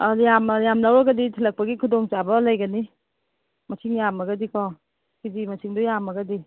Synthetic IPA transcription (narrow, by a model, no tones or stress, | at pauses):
ajamjamlawɾɐɡɐditʰilɐk̚pɐɡikʰudoŋt͡ʃabɐlajɡɐni | mɐsʰiŋjamɐɡɐdikʰɔ | kizimɐsʰiŋdujamɐɡɐdi